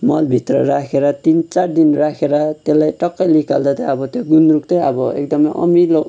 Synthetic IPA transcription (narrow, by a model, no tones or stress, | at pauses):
mʌlbʱit̪rʌɾakʰeɾʌt̪int͡sard̪inrakʰeɾʌt̪elajʈʌkːʌlikald̪at̪ʌʌbʌt̪joɡunrukt̪ʌjʌbʌḛk̚d̪ʌmʌjʔʌ̰milo